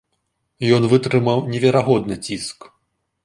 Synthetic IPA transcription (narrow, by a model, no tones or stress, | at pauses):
jɔnvɨt̪ɾɨmɐwnʲɛvʲɛɾaɣɔd̪nɨt͡sʲisk